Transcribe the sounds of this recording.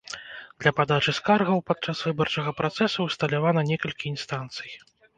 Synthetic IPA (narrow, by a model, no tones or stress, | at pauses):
d̪̥lʲɐpad̪at͡ʂɨskarɣɐwpat̪̚t͡ʂasvɨbɐrt͡ʂɐɣɐpɾat̪sɛsuwst̪ɐlʲavanɐnʲɛkɐlʲkʲiːnst̪ant̪sɨj